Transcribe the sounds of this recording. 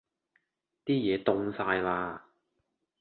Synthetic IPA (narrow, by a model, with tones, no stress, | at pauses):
t̪iː˥jɛː˨˧t̪ʊ˧ŋsaː˧jlaː˧